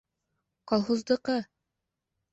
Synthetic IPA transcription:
qɑlˠɦŭzd̪ɤ̆qɤ

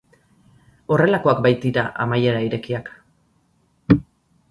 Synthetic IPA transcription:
o̞re̞lako̞akbajt̪iɾaʔa̰majeɾaiɾe̞kiak

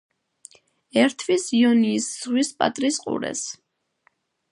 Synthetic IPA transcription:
ɛɾt̪ʰvisiɔniːsz̥ʁwispʼa̰t̪ʼɾisqʼṵɾɛ̰s

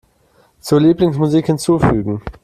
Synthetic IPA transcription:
t͡suːɐliːplɪŋsmuziːkhɪnt͡suːfyːɡŋ̩

